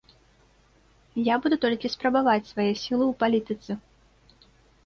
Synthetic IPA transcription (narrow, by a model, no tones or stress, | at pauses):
jabud̪ut̪ɔlʲkʲispɾɐbavat͡sʲsvajɛsʲilˠɨuwpalʲit̪ɨt̪sɨ